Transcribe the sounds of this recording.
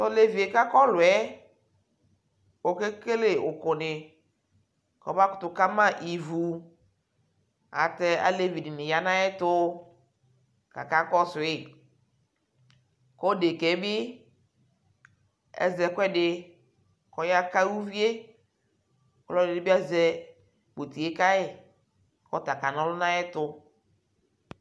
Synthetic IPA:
tɔ˦le˦vi˨e˨ka˦kɔ˦lʊ˨ɛ˦ | o˨ke˦ke˦le˨ʊ˨kʊ˨nɪ˨ | kɔ˨˦ba˦kʊ˦tʊ˨ka˦mã˦ʔi˨vu˨ | a̰˨tɛ˦a̰˨le˦vi˨dɪ˨nɪ˨ja˨nã˦ɛ˦tʊ˦ | ka̰˨ka˦kɔ˦sʊ˨ɪ˦˨ | kɔ˦de˨kɛ˨˦bɪ˦ | ɛ̰˦zɛ˨kʷɛ˦dɪ˨ | kɔ˨ja˦ka˦wu˦vi˦e˦ | kɔ˦lɔ˦˨ɪ˨dɪ˦bɪ˦a˦zɛ˨ | k͡po˨t̪i˨e˦ka˦ɪ˦˨ | kɔ̰˦ta˨ka˨nɔ̃˦lʊ˦nã˦ɪ˦tʊ˨

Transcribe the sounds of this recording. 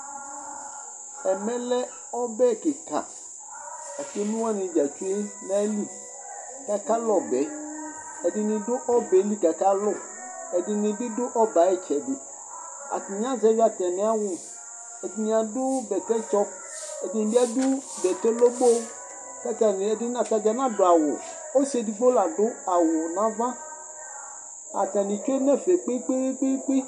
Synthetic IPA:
ɛ˨mɛ̃˦lɛ˦ | ɔ˦bɛ˦˨ke˨ka̰˨ | a˨se˦nũ˦wa˦nɪ̃˨d͡ʒa˨t͡ʃu˦e˦nã˦li˦ | ka˨ka˦lɔ˨bɛ˨˦ | ɛ˨di˨nɪ̃˨dʊ˦ʔɔ˦bɛ˨˦li˦ka˨ka˦lʊ˦ | ɛ˨di˨nɪ̃˨dʊ˦dʊ˦ʔɔ˦ba˨ɛ˦t͡ʃɛ˨dɪ˨ | a̰˨ti˨ɲ˦ã˦zɛ˦vi˦a˨tɛ˨nɛ̃˨˦a˦wʊ˨ | ɛ˨dɪ˦ɲ˨a˨dʊ˦bɛ˨kɛ˦t͡ʃɔ˦ | e˨dɪ˦nɪ̃˨bi˦a˨dʊ˦bɛ˨tɛ˦lo˦ɡ͡bo˦ | ka˦ka˨n˨dɪ˦a˨ta˨d͡ʒa˨nã˦dʊ˨a˨wʊ˨ | o˦se˨di˨ɡ͡bo˦la˨dʊ˦a˨wʊ˨nã˦vã˦ | a̰˨ta˨nĩ˨t͡ʃo˦nɛ˦fe˨k͡pe˦k͡pe˦e˦k͡pe˦k͡pe˦

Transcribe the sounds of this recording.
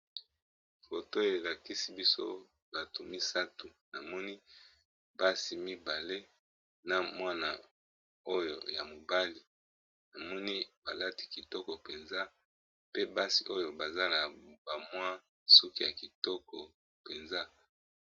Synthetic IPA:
fo˨to˦e˨la˨ki˦si˦bi˦so̰˦ | ba˨tu˨mi˦sa˦tu˨na˨mɔ˦ni˦ | ba˦si˨mi˦ba˨le˦ | na˨mwa˦na˨ | o˦jo̰˨ja˨mo˨ba˦li˨ | na˨mɔ˦ni˦ba˨la˦ti̥˨ki˨tɔ˦kɔ˨pe˨nza˦ | pe˦ba˦si˨ʔo˦jo˨ba˨za˦la˨ba˨mwa˦ | su˦ki˦ja˨ki˨tɔ˦kɔ˨ | pe˨nza˦

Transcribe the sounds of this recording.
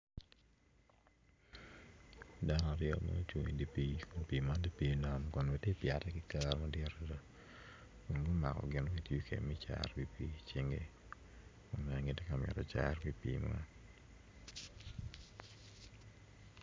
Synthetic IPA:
da˦n˦a˨ɾjɔ̰˦ma̰˦t͡ʃwo˨ŋi˨di˨pi˦kʊ˨npi˨ma˦di˦pi˦˨na˨mkɔ˨nɡe˦te˦pɪa˨tɛ˦kɪ˦ka˦ɾma˦dɪ˦a˨ɾɛ˨da˨ | kʊ˨nɡo˦ma̰˨kɔ̰˨ɡɪ˨no˦ki˨tjo˦kʰḛ˨mi˦t͡ʃa̰˨rwi˦pi˦t͡ʃi˦ŋɡe˦˨ | o˨nmɛ˨ŋi˨te˦ka˨mɪa̰˨tɔ˨t͡ʃa̰˦rwi˦pḭ˨ma̰˦

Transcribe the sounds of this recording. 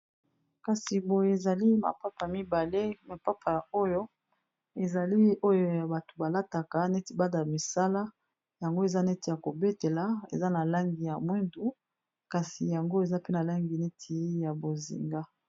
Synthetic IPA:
ka˨si˨bo˨je˨za˨li˦ma̰˨pa˦pa˨mi˦ba˨le˦ma˨pa˦pʰa˨o˦jo˦ | e˨za˨li˦o˦jo˦ja˨ba˨to̥˨ba˨la˦ta˨ka˨nɛ˦ti˨ba˦da˨mi˨sa˦la˦ | ja˨ŋɡo˦e˨za˦nɛ˦ti˨ja˨ko˨be˦te˨la˨˦ḛ˨za˦na˨la˦ŋɡi˨ja˨mwi˦ndu˦ | ka˨si˨ja˨ŋɡo˦e˨za˦pe˦na˨la˦ŋɡi˨nɛ˦tʰi˦ja˨bo˨zḭ˨ŋɡa˦

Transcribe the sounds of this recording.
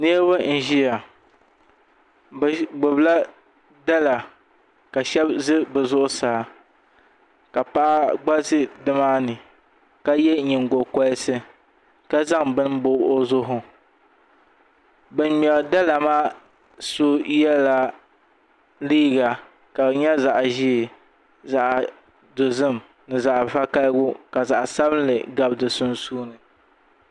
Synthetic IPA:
ne˦ba˦n̩˨ʒi˦ja˨ | bɡ͡bʊ˨bla˦ | da˦la˨ | ka˨ʃɛ˦bzɨ˦bɨ˨zʊ˦ʔʊ˦saː˨˦ | ka˨pa˦ʔa˦ɡ͡ba˦zɨ˦dɨ˦maː˦nɨ˨ | ka˦jɛ˦ɲɪ˨ŋɡo˨ka˦sɨ˦ | ka˦za˦ŋbɨ˦n˦bʊ˦o˦zʊ˦ɦʊ˨ | bɨ˨n˦m˨ɛ˨lda˦la˨maː˦ | so˦jɛ˦la˦ | liː˦ɡa˨ | ka˨bɲɛ˦za˨ʔʒi˦˨ | za˨ʔ | dʊ˨zɨ˦m | nɨ˨za˨ʔfa˦ka˦lɡʊ˦ka˨za˨ʔsa˦bɨ˦n˦lɨ˨ɡa˨bdɨ˨sʊ˦nsuː˦nɨ˨

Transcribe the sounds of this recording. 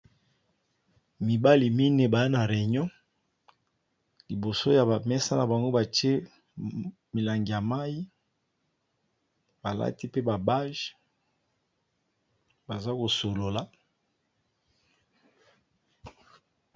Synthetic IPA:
mi˨ba˦li˨mi˦ne˨ba˨ja˦na˨ʁɛ˨ɲɔ̃˦ | li˨bo˨so˦ja˨a˨mɛ˦sa˦na˨ba˨ŋɡo˦ba˨ti˦e˦ | mi˨la˨ŋɡi˨ja˨ma˦ji˦ | ba˨la̰˦ti˦pe˦ba˨ba˦ʒ | ba˨za˦ko˨so˨lo˨la˦

